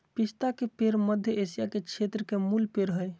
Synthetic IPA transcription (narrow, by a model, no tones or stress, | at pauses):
pist̪akepeɾməd̪ʱjəesijakekt͡ʃʰet̪ɾəkemulpeɾɦəj